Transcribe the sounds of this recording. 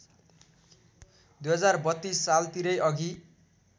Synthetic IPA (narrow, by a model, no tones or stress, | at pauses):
d̪ujɦʌd͡zarbʌt̪ːisːalt̪iɾʌjʔʌɡʱi